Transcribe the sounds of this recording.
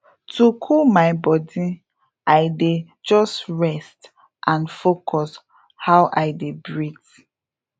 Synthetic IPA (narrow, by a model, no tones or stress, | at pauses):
tʰukʰulmaɪbɔdi | aɪde | d͡ʒɔstɹɛst | ʔãnfokʰɔs | hawʔaɪdebɹit